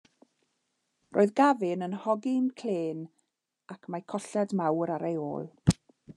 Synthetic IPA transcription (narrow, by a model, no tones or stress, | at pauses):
rʔoːɨðɡavɪnənhɔɡɪnkʰl̥eːn | akʰmajkʰɔɬɛdmawɾaɾʔejo̰ːlˠ